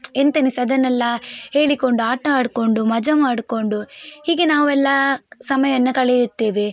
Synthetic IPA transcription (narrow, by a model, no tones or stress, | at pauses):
ent̪ɐnisɐd̪ɐnːɛlːɐhe̞ːɭiko̞ɳɖuaːʈɐaːɽko̞ɳɖumɐd͡ʒɐmaːɽko̞ɳɖuhiːɡenaːʋuɛlːɐsɐmɐjɐnːɐkɐɭejut̪ːeːʋe